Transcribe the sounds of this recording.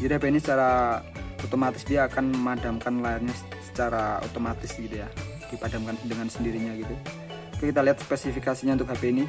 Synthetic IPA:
d͡ʒadiɦapeinisət͡ʃaɾa | ot̪omat̪ɪsdiaːkanmadamkanlaɪrɲasə̥t͡ʃaɾao̰t̪omat̪ɪsɡit̪uja | d̥ipadamkandəŋansəndiɾiɲaɡit̪u | kkit̪aliat̪̚spɛsifikasiɲaʊnt̪ʊk̚ɦapeini

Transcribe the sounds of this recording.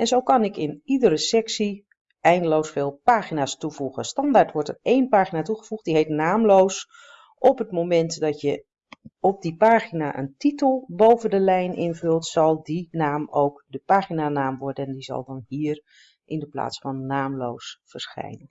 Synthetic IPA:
ɛnzowkɑnɪkɪnidəɾəsɛksi | ɛjndəlowsfeːlˠpaːχinaːstuvuɣəstɑndaɹtʋɔɹtərejnpaːχinatuχəv̥uχt̚diɦejtnaːmlows | ʔɔpɦətmomɛntdɑtjə | ɔp̚dipaːχinaʔə̰ntitəlˠbowvəndəlɛjnʔɪnvɵlˠtsɑlˠdinaːmowkdəpaːχinanaːmʋɔɹdəndizɑ̰lˠdɑnɦiːər | ʔɪndəpla̰ːtsfɑnːaːmlo̰wsfərsχɛ̰jnən

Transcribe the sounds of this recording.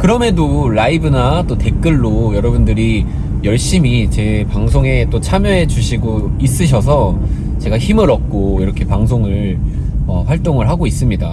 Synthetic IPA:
kɯɾʌme̞doɭaibɯnat͈ote̞k͈ɯɭːojʌɾʌbundɯɾi | jʌɭɕ͈imit͡ɕe̞paŋsʰoŋe̞t͈ot͡ɕʰamjʌɦe̞d͡ʑuɕʰiɡois͈ɯɕ̬ʰʌsʰʌ | t͡ɕe̞ɡaçimɯɾʌk̚k͈oiɾʌkʰe̞paŋsʰoŋɯɭ | ʌɸwaɭt͈oŋɯɭɦaɡois͈ɯmɲida

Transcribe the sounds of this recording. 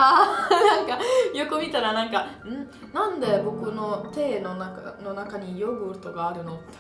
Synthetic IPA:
aːnãŋkajokomʲit̪aɾanãŋkaɯ̟̃ɴ | nãnd̪e̞bo̞kɯ̟no̞t̪e̞ːnonakano̞nakaɲ̟ijoɡɯ̟ɯt̪oɡaːɾɯ̟no̞

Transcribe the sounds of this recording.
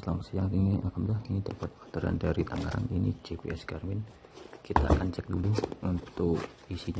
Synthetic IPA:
slamasəjaŋtiŋiakamdahtiŋidapat̪̚fat̪əɾa̰ndaɾit̪aŋɡa̰ɾa̰ninḭd͡ʒepeɛsɡarmɪn | kit̪a̰kant͡ʃɛk̚duluunt̪ʊk | isiɲa

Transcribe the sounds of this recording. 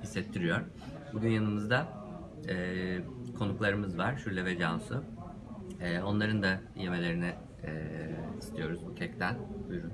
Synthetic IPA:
hisːɛt̪ʰːiɾijoɾ̥ | buɟʲynjanɯmɯzd̪a | ɛːkʰo̞nuklˠaɾɯmɯzvaɾ̥ʃyɾlʲɛvɛd͡ʒansʊ | ɛːo̞nlˠaɾɯnd̪a | je̞me̞lʲe̞ɾinɪ | ɛist̪ʰijo̞ɾuzbucʰɛc̚t̪ʰænujɾun

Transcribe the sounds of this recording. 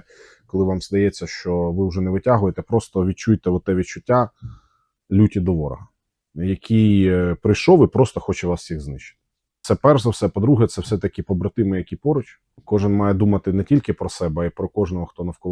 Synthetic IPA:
kɔlˠɪʋamzd̪ɐjɛt͡sʲːɐʃt͡ʃɔʋɪwʒɛnɛʋɪtʲaɦʊjet̪ɛpɾɔst̪ɔʋʲid̪̚t͡ʃujt̪ɛɔt̪ɛʋʲid̚t͡ʃʊtʲːa | lʲutʲid̪ɔʋɔɾɐ̰ɦɐ | jɐkʲʰijpɾɪjʃɔʋɪpɾɔst̪ɔxɔt͡ʃɛʋɑsjʲiɣznɪʃt͡ʃɪ̥t̪ɪ̥ | t̪sɛpɛrɛwsɛpɔd̪ɾuɦɛt̪sɛwsɛt̪ɐkʲɪpɔbɾɐt̪ɪmɪjɐkʲipɔɾʊt͡ʃ | kɔʒɪnmɑjɛd̪umɐt̪ɪnɛtʲilʲkɪpɾɔsɛbɛɐipɾɔkɔʒnɔɦɔxt̪ɔnɐwkɔlˠ

